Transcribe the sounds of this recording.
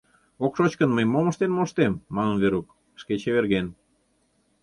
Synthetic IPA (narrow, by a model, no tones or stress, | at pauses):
okʃot͡ɕkənməjmomə̆ʃt̪enmoʃt̪emːɑnə̆nβeɾuk | ʃket͡ɕeβerɣen